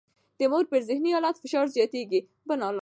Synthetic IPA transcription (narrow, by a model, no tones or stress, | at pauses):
d̪̥əmoɾpəɾzɪhniɑlɑt̪fɪʃɑɾzɑt̪eɡi | bənɑl